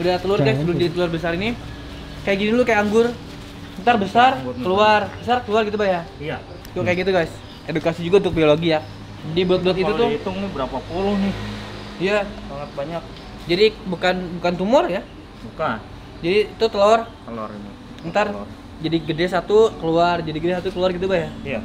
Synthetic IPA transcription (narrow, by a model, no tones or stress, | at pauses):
udaat̪əluarkajsəld͡ʒadik̪əluarbəs̬aɾini | kajaʔɡinilukajaaŋɡʊr | ənt̪arbəsarŋkəluarbəsarkəluarɡit̪̬ubaja | kukajakɡit̪uɡajs | edukasid͡ʒuɡant̪ʊk̚bioloɡija | d͡ʒadibuat̪̚buat̪it̪uʊt̪ʊŋnɪbəɾapapulʊhnɪh | ijasaŋat̪̚baɲak̚ | d͡ʒadibukanbukant̪umʊrja | bukan | d͡ʒadit̪ut̪əlor | əla̰rn | ənt̪ar | d͡ʒadiɡədesat̪ukəluard͡ʒadiɡədesat̪ukəluarɡit̪̬ubajaja